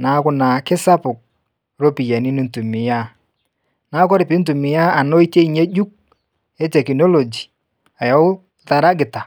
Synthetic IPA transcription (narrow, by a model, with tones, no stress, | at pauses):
na˨˦kʊ˦na˨kɪ˦sa˦pʊ˨k̚ | ɾo˦pi˨ja˨ni˦ni˦n̩˨tu˨mɪ˨ja˦ | na˦kɔ˦ɾɪ˨pɪ˦n̩˦t̬u˨mɪ˨ja˦a˨no˦i˦te˦i˦ɲe˦d͡ʒu˦k̚ | ɛ˦tɛ˨ki˨no˦lo˨d͡ʒi˨ | a˨jɔ˦ʊ˦ | ta˨ɾa˦ɡɪ˨ta˨